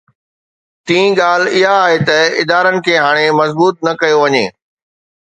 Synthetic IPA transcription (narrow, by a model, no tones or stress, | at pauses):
t̪ĩːɠaːl̤ɪɦaːɦet̪ɐɪd̪aːɾənɪ̆kʰeːɦaːɽ̃emɐzbuːt̪̚nɐkɐjoʋɐɲeː